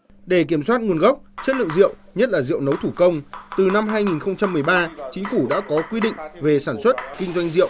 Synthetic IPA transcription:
ɗe˧˩k̬i˧˩əmswaː˦˥t̚ŋu˨˩ənɣa˦˥wk͡p̚t͡ɕə˦˥t̚lɨ̰˧˨ŋzḭ˧˨ə˨wɲə˦˥t̚laː˨˩zḭ˧˨ə˨wnə˨˦wt̪ʰu˧˩kə˧wŋ͡mt̪ɨ˨˩na˧mɦaː˧jŋi˨˩nxə˧wŋ͡mt͡ɕa˧mːɨ˨˩əjɓaː˧t͡ɕï˨˦ŋ̟fu˧˩ɗa̰ː˧˥kɔ˨˦kwi˧ɗḭ˧˨ŋ̟ve˨˩saː˧˩nswə˦˥t̚kï˧ŋ̟zwa˧jŋ̟zḭ˧˨əw

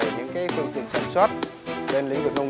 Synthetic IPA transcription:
ə˧˩ɲɨ̰˧˥ŋkaː˨˦jfɨ˧əŋt̪ḭ˧˨ənsaː˧˩nswaː˦˥t̚ | ɓe˧nlï˧˨˦ŋ̟və˨˩n̚ʔə˧w

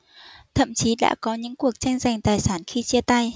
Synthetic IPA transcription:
t̪ʰə̰˧˨mt͡ɕi˨˦ɗa̰ː˧˥kɔ˨˦ɲɨ̰˧˥ŋku˨˩ək̚t͡ɕa˧jŋ̟za˨˩jŋ̟t̪aː˨˩jsaː˧˩nxi˧t͡ɕi˧ət̪a˧j

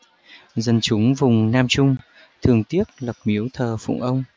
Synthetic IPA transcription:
zə˨˩nt͡ɕʊ˨˦ŋ͡mvʊ˨˩ŋ͡mnaː˧mt͡ɕʊ˧ŋ͡m | t̪ʰɨ˨˩əŋt̪i˦˥ət̚lə˨˩p̚mi˨˦əwt̪ʰəː˨˩fṵ˧˨ŋ͡mʔə˧wŋ͡m

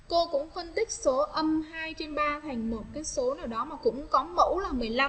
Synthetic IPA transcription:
ko˧kʊ̰˧˥ŋ͡mfə˧nt̪ï˦˥k̚so˨˦ʔə˧mhaː˧jt͡ɕe˧nɓaː˧t̪ʰa˨˩jŋ̟mo˨˩t̚kaː˨˦jso˨˦naː˧˩wɗɔ˨˦maː˨˩kʊ̰˧˥ŋ͡mkɔ˨˦mə̰˧˥wlaː˨˩mɨ˨˩əjla˧m

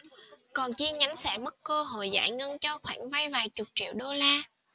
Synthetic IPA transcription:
kɔ˨˩nt͡ɕi˧ɲa˨˦nsɛ̰ː˧˩mə˦˥t̚ko˧ɦo̰˧˨jza̰ː˧˩jŋə˧ŋt͡ɕɔ˧xwaː˧˩ŋva˧jvaː˨˩jt͡ɕʊ˨˩k͡p̚t͡ɕḭ˧˨wɗo˧laː˧

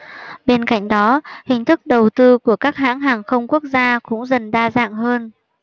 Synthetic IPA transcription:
ɓe˧nka̰˧˨jŋ̟ɗɔ˨˦hï˨˩ŋ̟t̪ʰɨ˦˥k̚ɗə˨˩wt̪ɨ˧ku˧˩əkaː˦˥k̚ɦa̰ː˧˥ŋɦaː˨˩ŋxə˧wŋ͡mku˦˥ək̚zaː˧kʊ̰˧˥ŋ͡mzə˨˩nɗaː˧za̰ː˧˨ŋɦəː˧n

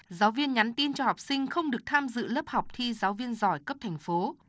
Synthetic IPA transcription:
zaː˨˦wvi˧ənɲa˨˦nt̪i˧nt͡ɕɔ˧ha˨˩wk͡p̚sï˧ŋ̟xə˧wŋ͡mɗɨ˨˩ək̚t̪ʰaː˧mzɨ̰˧˨lə˦˥p̚ha˨˩wk͡p̚t̪ʰi˧zaː˨˦wvi˧ənzɔ˧˩jkə˦˥p̚t̪ʰɛ˨˩jŋ̟fo˨˦

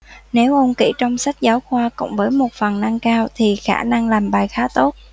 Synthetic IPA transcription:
ne˨˦wʔo˧nkḭ˧˩t͡ɕɔ˧wŋ͡msa˦˥jk̟̚zaː˨˦wxwaː˧kʊ̰˧˥ŋ͡mvəː˨˦jmo˨˩t̚fə˨˩nna˧ŋkaː˧wt̪ʰi˨˩xa̰ː˧˩na˧ŋlaː˨˩mɓaː˨˩jxaː˨˦t̪o˦˥t̚

